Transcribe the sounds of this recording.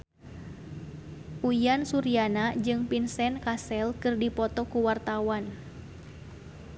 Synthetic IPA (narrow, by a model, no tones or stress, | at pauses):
ʔujansuɾianad͡ʒɨŋpinsɛnkasɛlkɨrdipɔt̪ɔkuwart̪awan